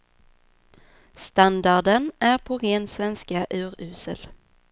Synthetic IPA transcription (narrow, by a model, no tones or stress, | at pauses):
st̪and̪aɖənæɾpʰɔɾeːnsvɛnskaʔʉ̟ːɾʉ̟ːsəl